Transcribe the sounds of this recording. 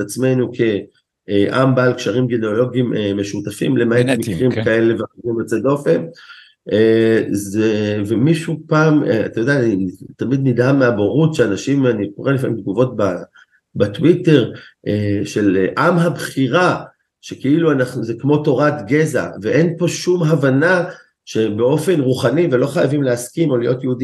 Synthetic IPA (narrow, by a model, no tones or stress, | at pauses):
etat͡smenukʰe̞ | eʔambaːlkʃaʁimɡineolo̞ɡimemeʃutafimle̞maetmikʁimkae̞leveimet͡sed̪o̞fen | ʔezevemiʃupaːmḛa̰t̪ajoeanit̪amid̪midameaboʁutʃeanaʃimanikoʁelifamḭmd̪̚ɡuvo̞t̚ba | batwite̞ʁʔeʃe̞lʔamɦabχiʁa | ʃekeiluanaχnuzekmo̞to̞ʁat̪ɡe̞za̰ve̞ʔe̞npo̞ʃumɦavana | ʃe̞beo̞fe̞nʁuχanivelo̞χajavimleaskimo̞lijo̞t̪jeudi